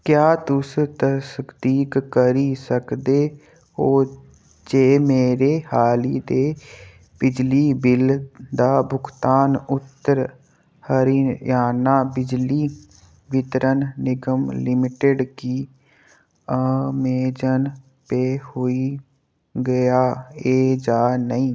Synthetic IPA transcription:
kjaːt̪ʊst̪əskd̪iːkːəɾiːsəkd̪eː | oː | d͡ʒeːmeːɾeːhaːliːd̪eː | b̥ɪd͡ʒliːbɪld̪aːbʱʊkʰt̪aːnʊt̪ːəɾ | həɾiːjaːnaːbɪd͡ʒliː | ʋɪt̪ɾənnɪɡəmlɪmɪʈeɖkiː | əmeːd͡ʒən | peːhoːiː | ɡəjaːeːd͡ʒaːnəĩː

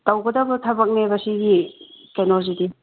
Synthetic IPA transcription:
tɐwɡɐdɐbɐtʰɐbɐk̚nebɐsiɡikenozidi

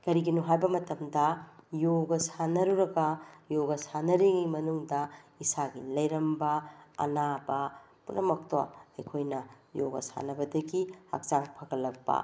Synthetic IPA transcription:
kɐɾiɡinuɦajbɐmɐtɐmdɐjoɡɐsanɐɾuɾɐɡɐjoɡɐsanɐɾiŋimɐnuŋdɐisaɡilɐjɾɐmbɐɐ̰nabɐ | punːɐmɐk̚to̰ɐ̰jkʰojnɐ | joɡɐ̰sa̰nɐbɐdɐɡiha̰k̚t͡ʃaŋpʰɐɡɐlɐk̚bɐ̰

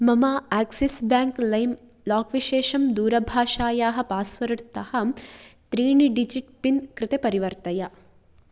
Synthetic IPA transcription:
mɐmaːaːksisbaːŋklɐjm | laːkʋiʃeːʃɐmd̪uːɾɐbʱaːʃaːjaːɦɐ̆paːsʋɐɾɐɽt̪ɐhɐ̆t̪ɾiːɳiɖid͡ʒiʈ̚pinkɾɪt̪epɐɾiʋɐɾt̪ɐjɐ

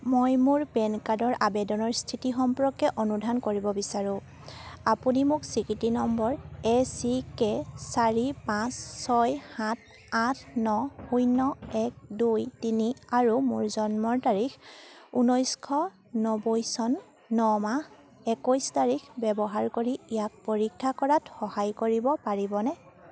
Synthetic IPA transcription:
mojmʊɹpɛnkadɔɹʔabɛdɔnɔɹstʰitixɔmpʊɹɔkɛʔonudʱankoɹibɔbisaɹuʊ̃ | apunimʊksikitinɔmbɔɹɛsikɛsaɹipãsːɔjhãt̚ʰ | atʰnɔujnɔɛk̚dujtiniaɹumuɹzɔnmɔɹtaɹixunɔjskʰɔ | nɔbojsɔnː | ɔmah | ɛkɔjstaɹikʰbɛbɔɦaɹkoɹiijak̚poɹikʰːakɔɹatxɔhajkoɹibɔpaɹibɔnɛ

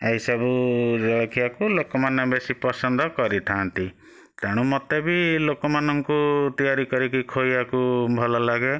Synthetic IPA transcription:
eɦisabuɾɔkʰijakulokɔmanɔbesipɔsɔnd̪ʱɔkɔɾit̪ʰant̪i | t̪eɽ̃umɔt̪ebilokɔmanɔŋkut̪ijaɾikɔɾikikʰojbakubʱɔlɔlaɡe

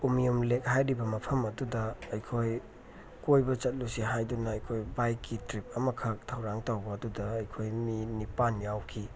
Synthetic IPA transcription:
umijumlek̚hajɾibɐmɐpʰɐmɐdudɐːjkʰoj | kojbɐt͡ʃɐt̚lusiɦajdunɐɐjkʰojbajkːitɾip̚ɐmɐkʰɐk̚tʰɐwɾaŋtawbɐːdudɐːjkʰojminipanjawkʰi

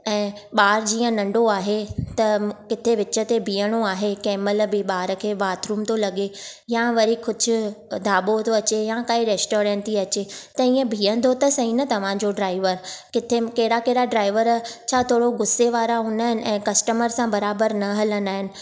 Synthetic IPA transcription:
ɛ̃ːɓaːɾd͡ʑiːə̃nɐ̃ɳɖoaːɦet̪ɐkɪt̪ʰeʋɪt͡ɕət̪ebʱiːəɽ̃oaːɦekɛːməlbɪɓaːɾə̆kʰeːʋaːt̪ɾuːmt̪ʰolɐɠejãʋɐɾikʊd͡ʑʱʊ̆d̪ʱaːɓot̪ʰoɐt͡ɕejãkaːiɾeːsʈoːɾɛ̃ːɳʈiɐt͡ɕet̪ɐĩːə̃bʱiːə̃nd̪ʱot̪ɐsɐɦĩnɐt̪ɐʋ̤ãd͡ʑoɖɾaːɪʋəɾkɪt̪ʰekɐɦɪɽakeɦɪɽaɖɾaːɪʋəɾt͡ɕʰaːt̪ʰoːɽoɡʊseʋaːɾaɦʊnaːɦɪnɪ̆ʔɛ̃ːkɐsʈəməɾsãbɐɾaːbəɾnɐɦɐlənd̪aːɦɪnɪ̆

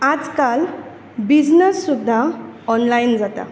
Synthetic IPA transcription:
ad͡zkal | bid͡znəsːud̪ʱːaɔnlaind͡zat̪a̰

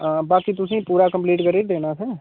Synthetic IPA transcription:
ãːbaːkit̪ʊsĩːpuːɾakə̃mpliːʈkəɾeːʈ̚d̪eːnaːsɛː

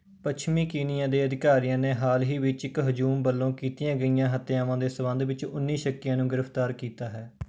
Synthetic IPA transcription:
pət͡ʃʰmĩːkiːnɪjãːd̪eːəd̪ɪkaːɾijãːneːɦaːlɦiːʋɪt͡ʃɪkɦʊd͡ʒuːmbəlːõːkiːt̪ɪjãːɡəijãːɦət̪ːejaːʋãːd̪eːsəbə̃nd̪ʋɪt͡ʃʊ̰nːiːʃəkːɪjãːnũːɡɪɾəpʰt̪aːɾkiːt̪aːɦɛː

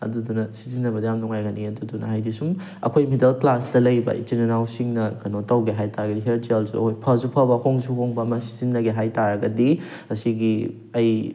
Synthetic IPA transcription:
ɐ̰dudunɐsi̥zinːɐbɐdijamnuŋajɡɐniɐdudunɐ̰ɦajdisum | ɐ̰kʰojmidɐlklasdɐlɐjbɐ̰itinɐnawsiŋnɐɡɐnotɐwɡeɦajtaɾɐɡɐdiɦeɾtialsuɐ̰kʰojpʰɐzupʰɐbɐhoŋzuhoŋbɐːmɐsi̥zinːɐɡeɦajtaɾɐɡɐdi | ɐsiɡi | ɐj

